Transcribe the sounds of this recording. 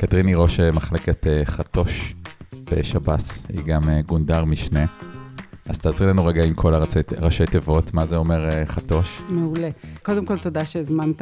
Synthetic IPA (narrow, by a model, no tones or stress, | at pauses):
katʁiniʁo̞ʃemaχle̞keteχato̞ʃb̥eʃabashḭɡameɡundaʁmiʃne̞ | ʔaz̥t̪aːzʁilenuʁeɡaimkʰo̞laʁat͡seʁaʃejtevo̞tmazeo̞me̞ʁeχato̞ʃmeulekodemko̞ltodaʃezmant